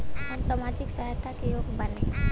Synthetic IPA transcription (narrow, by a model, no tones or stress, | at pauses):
hɐmsamaːd͡ʒɪksaɦt̪ʰakejoːɡbɐnẽ